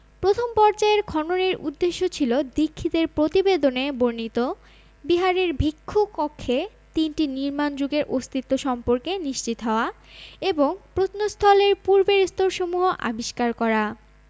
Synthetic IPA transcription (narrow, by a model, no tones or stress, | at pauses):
pɾot̪ʰompɔɾt͡ɕaeɾkʰɔnoneɾʔṵd̪ːeʃːot͡ɕʰilod̪ikʰːit̪eɾpɾot̪ibed̪oneboɾnit̪o | biɦaɾeɾbʱikʰːokɔkʰːe | t̪inʈiniɾmand͡ʑuɡeɾʔost̪ʰit̪ːoʃɔmpoɾkeniʃt͡ɕit̪ɦɔoaeboŋpɾot̪nost̪ʰɔleɾpuɾbeɾst̪oɾʃomuɦoʔa̰biʃkaɾkɔɾa